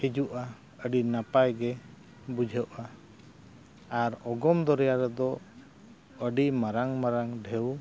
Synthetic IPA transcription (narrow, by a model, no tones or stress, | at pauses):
hid͡ʒuʔa | əɖinapajɡɛ | bud͡ʒʱɛʔa | aɾɔɡɔmd̪ɔɾɛjaɾɛd̪ɔ | əɖimaɾaŋmaɾaŋɖʱɛw